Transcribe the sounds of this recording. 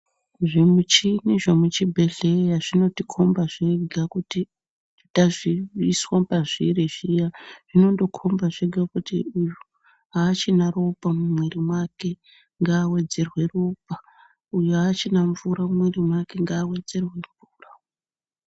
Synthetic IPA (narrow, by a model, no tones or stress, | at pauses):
ʐimut͡ʃiniʐamut͡ʃibʱe̞ɮe̞jaʐino̞tikʰo̞mbaʐ̥eɡʱakuti | taʐiiswapaʐiɾiʐijaʐ̥ino̞ndo̞kʰo̞mbaʐeɡʱakutḭuju | ɦaːt͡ʃinaro̞pamumweɾimwake̞ | ŋɡaːwe̞d͡ze̞rwe̞rop̚a | ujuat͡ʃinaɱvuɾamwerimwake̞ŋɡaːwe̞d͡ze̞rwe̞ɱvuːra